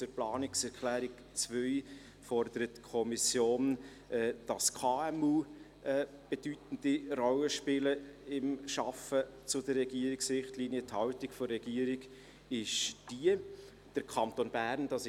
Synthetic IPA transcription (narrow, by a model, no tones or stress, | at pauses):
t͡sʊɾplɑːnɪksɛɾkʰlæːɾɪk | t͡svœɪ | fɔrd̪̥əɾətːkʰɔmisjoːn | ʔɛd̥ɑskʰɑːɛmuː | ɛː | b̥ed̥ytn̩d̥irɔlːəʃpɪləɪmʃɑfət͡sʊd̥ərrɛɡiəɾɪksɾɪχtliːniəthɑwtikfɔrːɛɡ̥iəɾiɡ | ɪʃd̥iə | d̥əɾkʰɑntonbæːɾnd̥ɑs